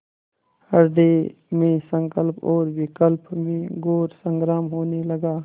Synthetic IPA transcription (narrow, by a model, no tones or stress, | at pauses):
həɾɖ̪emẽsə̃ŋkəlpɔːɾwɪkəlpmẽɡoːɾsə̃ŋɡɾaːmɦoːneləɡaː